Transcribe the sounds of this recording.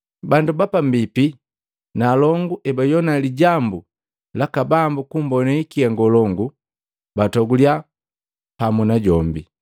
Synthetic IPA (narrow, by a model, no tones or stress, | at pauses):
bandubapam̩bipi | naːlɔŋɡuʔɛbajɔnaliɟambu | lakabambukum̩bɔnaikiaŋɡɔlɔŋɡu | batɔɡulja | pamunaɟɔmbi